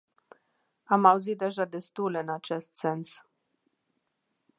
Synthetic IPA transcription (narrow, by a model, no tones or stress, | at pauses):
amawzit̪̚d̪eʒad̪est̪uleɨnat͡ʃest̪sens